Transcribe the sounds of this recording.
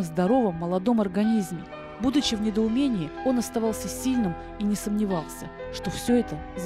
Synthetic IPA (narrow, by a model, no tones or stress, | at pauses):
əzd̪ɐɾo̞vəmːəlˠɐd̪o̞mɐrɡɐnʲizmʲɪ | bud̪ʊt͡ɕɪvnʲɪd̪əʊmʲenʲɪɪo̞nɐst̪ɐvɑlˠsʲəsʲilʲnɨm | inʲɪsəmnʲɪvɑlˠsʲə̰ | ʂt̪o̞fsʲɵɛt̪ə